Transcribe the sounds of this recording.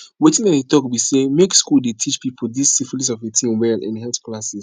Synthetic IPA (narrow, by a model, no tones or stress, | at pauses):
wetɪ̃nãnetɔkbisemekskulˠdetʰit͡ʃpipʰl̩disifulisɔvetʰĩmwɛlʔɪ̰̃nhɛlθklasis